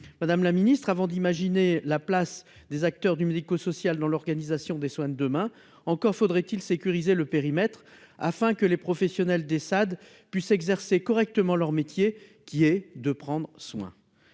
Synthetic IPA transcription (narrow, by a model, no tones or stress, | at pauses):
mad̪amlaminist̪χavɑ̃d̪imaʒinelaplas | d̪ezak̚t̪œʁd̪ymed̪ikosɔsjald̪ɑ̃lɔʁɡanizasjɔ̃d̪eswɛ̃d̪əmɛ̃ | ɑ̃kɔʁfod̪ʁɛt̪ilsekʲyʁizeləpeʁimɛt̪χ | a̰fɛ̃kəlepχɔfɛsjɔnɛld̪esad̪ | pɥisɛɡzɛʁsekɔʁɛk̚t̪əmɑ̃lœʁmet̪jekʲiɛd̪əpχɑ̃d̪ʁəswɛ̰̃